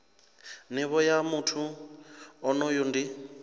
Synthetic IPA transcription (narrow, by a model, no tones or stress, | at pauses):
niβɔjamutʰu | ɔnɔjundi